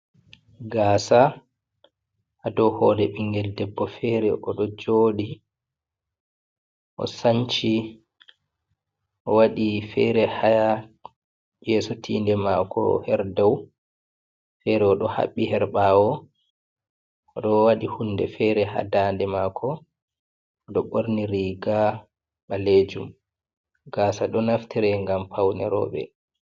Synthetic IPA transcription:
ɡaːsa | ʔadɔhɔːlɛɓiŋɡɛldɛbːɔfɛɾɛʔɔɗɔd͡ʒoːɗi | ʔɔ̰saɲt͡ʃi | ʔɔwaɗifɛɾɛhaja | jɛsotʰiːndɛmakʰɔ̰hɛɾdaw | fɛɾɛɔɗɔha̰ɓːihɛɾɓawɔ | ɗɔwaɗihunːdɛ̰fɛɾɛha̰dandɛmaːkʰɔ | ɗɔɓoɾniɾiɡa | ɓaled͡ʒum | ɡaːsaɗɔnaftiɾɛŋɡampʰawnɛɾɔ̰ːɓɛ̰

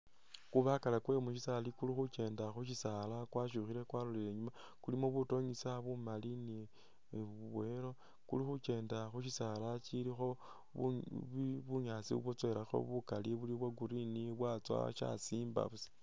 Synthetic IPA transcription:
kuβakalakwe̞muʃisalikulixut͡ʃe̞ːndaxuʃisalakwaʃ̬uxile̞kwaloleeɲuma | kulimoβuto̞ɲisaβumalini | uβwe̞ɾo̞ | kṵlixut͡ʃe̞ːndaxuʃisalat͡ʃilixo̞ | ṵ | βuɲaːt͡siβot͡sweɾaxo̰βukaliβuliβwaɡuɾiniβwat͡swa̰ʃa̰siːmba̰βusi̥

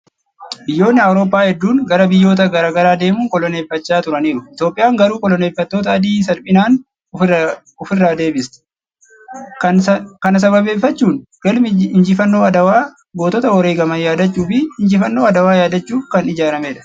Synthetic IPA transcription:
bɪjːo̞ːnːɪɐwɾo̞ːpːaːhɛd̪ːuːŋɡɐɾɐbɪjːo̞ːt̪̬ɐɡɐɾaːɡɐɾaːd̪e̞ːmuːŋkɔlɔne̞ːfːɐt͡ʃːaːt̪ʊɾɐniːɾʊʔɪt̪jo̞ːpʼːɪjaːŋɡɐɾuːkɔlɔneːfːɐt̪ːo̞ːt̪ɐɐd̪iːs̬ɐlpʼɪnaːn | ʊfɪrːaːd̪e̞ːbɪst̪ɪ̥ | kɐkɐnɐs̬ɐβɐbe̞ːfːɐt͡ʃːuːnɡɐlmɪɪnd͡ʒɪfɐnːo̞ːɐd̪ɐwaː | ɡo̞ːt̪ɔt̪ɐwɔɾeːɡɐmɐjaːd̪ɐt͡ʃːuːfɪɪnd͡ʒɪfɐnːo̞ːɐd̪ɐwaːjaːd̪ɐt͡ʃːuːkɐnɪd͡ʒaːɾɐmeːᶑɐ̥

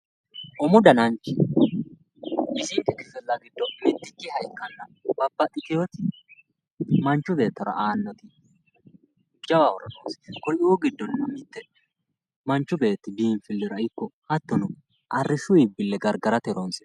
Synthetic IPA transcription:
ʔɔmʊd̪ɐnɐnt͡ʃːɪ | ɪsɪnt̪ːɛkɪfɛlːɐɡɪd̪ːɔmɪt̪ːɪkːɪhɐjkːɐnːɐb̥ɐbːɐt̪ʼɪt̪ɪjot̪ɪ | mɐnt͡ʃːʊbe̞ːt̪ːɐɾɐ̰ʔaːnːɔt̪ɪ | d͡ʒɐwawɔɾɐnoːnskɔɾuːɡɪd̪ːɔnːɐmːɪt̪ːɛ | mɐnt͡ʃːʊbe̞ːt̪ːɪbiːnfɪlːɪɾɐɪkːɔhɐt̪ːɔnʊ | ʔɐrːɪʃʊɪbɪlːɛɡɐɾɡɐɾɐt̪ɛɾonsɪ̥

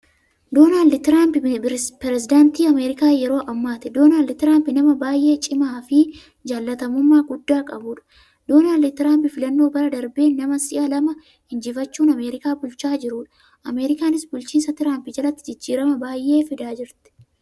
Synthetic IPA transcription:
d̪o̞ːnaːld̪t̪ɪɾaːmpɪpɛɾɛsɪd̪aːnt̪iːɐmeːɾɪkaːjɛɾo̞ːʔɐmːaːt̪ɛd̪oːnaːld̪t̪ɪɾaːmpɪnɐmɐbaːjʔe̞ːt͡ʃʼɪmaːfɪ | d͡ʒaːlːɐt̪ɐmʊmːaːɡʊd̪ːaːkʼɐbuːᶑɐ̥ | d̪̥oːnaːld̪ɪt̪ɪɾaːmpɪfɪlɐnːo̞ːbɐɾɐd̪ɐɾbeːnɐmɐsɪʔɐlɐmɐ | hɪnd͡ʒɪfɐt͡ʃːuːnɐmeːɾɪkaːbʊlt͡ʃaːd͡ʒɪɾuːᶑɐ̥ | ʔɐme̞ːɾɪkaːnɪsbʊlt͡ʃiːnsɐt̪ɪɾaːmpɪd͡ʒɐlɐt̪ːɪd͡ʒɪd͡ʒːiːɾɐmɐbaːjʔe̞ːfɪd̪aːd͡ʒɪɾt̪ɪ̥

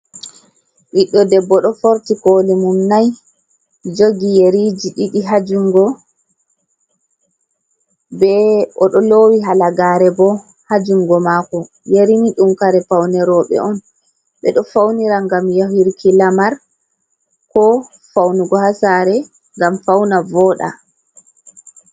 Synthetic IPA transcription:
ʔiɗːɔdɛbːɔɗɔfoɾtikolimumnaj | d͡ʒoɡijeɾid͡ʒiɗiɗiɦad͡ʒuŋɡɔ | bɛʔɔɗɔlowiɦalaɡaːɾɛbɔ | had͡ʒuŋɡɔmaːkɔ | jeɾimiɗumkaɾɛpawnɛɾɔɓɛ̰ʔɔn | ɓɛɗɔfawniɾaŋɡamjaɦiɾkʰilamaɾ | kɔ | fawnuɡɔhasaɾɛ | ŋɡamfawnavɔːɗa̰

